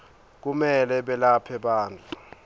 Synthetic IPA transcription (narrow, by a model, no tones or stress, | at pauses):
k̬umɛlɛɓɛlapʰɛɓaːnd͡ɮʱu